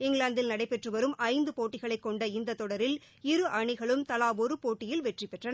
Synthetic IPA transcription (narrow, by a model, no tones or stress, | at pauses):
ɪŋɡɭaːnd̪ɪlnɐɽɐɪpːɛʈrɯʋɐɾɯmɐɪnd̪ɯpoːʈːɪɣɐɭɐɪkːɔɳɖɐɪnd̪ɐt̪ːɔɽɐɾɪl | ɪɾɯʔɐɳɪɣɐɭɯmt̪ɐlaːʋɔɾɯpoːʈːɪjɪlʋɛʈripɛʈrɐnɐ